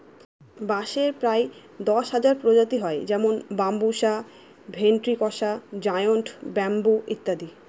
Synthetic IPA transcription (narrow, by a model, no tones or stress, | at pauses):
baʃeɾpɾae | d̪ɔʃɦad͡ʑaɾpɾod͡ʑat̪iɦɔed͡ʑɛmonbambuʃa | bʱenʈɾikɔʃad͡ʑajonʈbɛmbuʔḭt̪ːad̪i